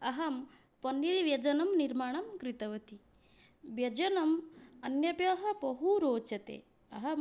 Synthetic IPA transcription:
ɐɦɐm | pɐnːiɾiʋjɐd͡ʒɐnɐmniɾmaːɳɐmkɾit̪ɐʋɐt̪i | ʋjɐd͡ʒɐnɐmɐnjɐpjɐːɦɐ̆bɐɦuɾoːt͡ʃɐt̪ḛː | ɐ̰ɦɐ

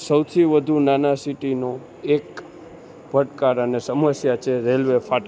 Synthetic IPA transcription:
səwt̪ʰiʋəd̪ʱunanasiʈino | ek | bʱəʈkaɾənesəməsjat͡ʃʰeɾelʋefaʈ

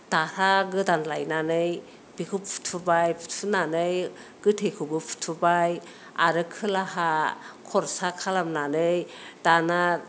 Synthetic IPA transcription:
d̥aɾaɡɯdanlajnanɯj | b̥ikʰupʰu̥tʰubajpʰu̥tʰunanɯj | ɡ̥ɯtʰekʰubɯpʰu̥tʰubaj | aɾɯkʰɯlaɦakʰɔɾsakʰalamnanɯjd̥ana

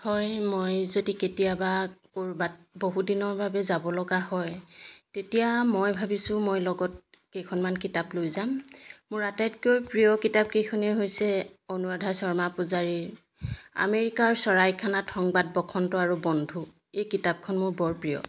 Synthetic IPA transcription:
hɔjmojzodiketijabakoɹbat̚boɦudinɔɹbʱabɛzabɔlɔɡahɔjtetijamɔjbʱabisʊ̃mojlɔɡɔt̚ | kejkʰɔnmankitaplojzamːʊɹatatkojpɹijɔkitab̚kejkʰɔnɛɦojsɛonuadʱasɔɹmapʊzaɹiɹ | a̰meɹikaɹsɔɹajkʰanatʰɔŋbad̚bɔkʰɔntɔaɹubɔndʱu | ejkitab̚kʰɔnmʊɹbɔɹpɹijɔ̰

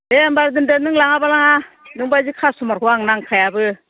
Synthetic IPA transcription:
eambaɾdɯndɯnɯŋlaŋabalaŋa | nɯŋbajzɯkʰasumaɾkʰuwaŋnaŋkʰajabɯ

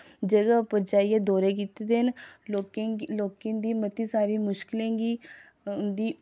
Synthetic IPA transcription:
d͡ʒəɡəpəɾt͡ʃaːiːẽːd̪oːɾeːk̬iːt̪et̪eɦən | loːkẽːd̪iːmət̪iːsaːɾiːmʊʃkɪlẽːɡiː | ʊnd̪iː

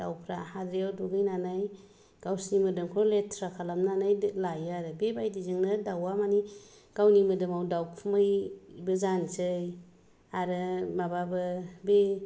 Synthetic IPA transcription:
dawpʰɾahadɾiawduɡɯjnanaj | ɡ̥awsnimɯdɯmkʰɾɔletʰɾakʰalamnanajlajɯaɾɯbebajdizɯŋnɯdawamani | ɡ̥awnimɯdɯmawdawkʰmɯjbɯzant͡ʃɯj | aɾɯbababɯbe

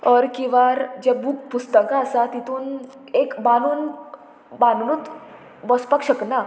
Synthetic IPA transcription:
ɔɾkiʋaɾd͡ʑɛbuːk̚pust̪əkaːsat̪it̪uːn | ekbanuːn | bannut̪ | bɔspakɕəkna

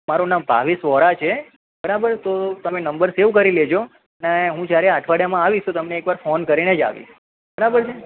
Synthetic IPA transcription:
maɾonambʱa̰ʋisʋɔɾat͡ʃʰe | bəɾabəɾt̪ot̪əmenəmbəɾseʋkəɾiled͡ʒo | neɦũd͡ʒjaɾeaʈʰʋaɽjamãaʋiʃt̪ot̪əmneːkʋaɾfonkəɾined͡ʒa̰ʋḭ | bəɾabəɾt͡ʃʰe

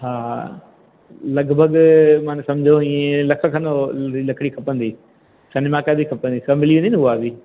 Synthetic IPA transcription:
ɦaː | lɐɡbʱəɡmãːnsɐ̃md͡ʑʱoĩːẽlɐkʰəkʰɐ̃noilɐkʰɪɽikʰɐpə̃nd̪iː | sɐnɪmaːkaːd̪ikʰɐpə̃nd̪isɐmɪliʋĩnd̪inɪʊabi

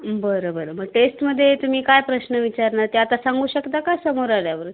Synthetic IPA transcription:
bəɾobəɾoməɡ̚ʈesʈməd̪ʱːjet̪um̤iːkajpɾəɕnəʋit͡ɕaɾnat̪eat̪asaŋɡuːɕəkt̪akajsəmoɾaɭjaʋəɾ

